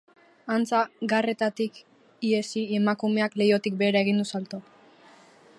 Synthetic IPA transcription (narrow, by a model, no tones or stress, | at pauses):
ant͡saɡare̞t̪at̪ik | ie̞sie̞makume̞akle̞jo̞t̪ik̚be̞ːɾae̞ɣ̞ind̪usalt̪o